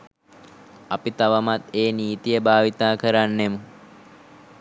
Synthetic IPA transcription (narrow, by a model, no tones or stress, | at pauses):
ɐpit̪aʋamat̪eːniːt̪ijəbʱaːʋit̪aːkəɾanːemu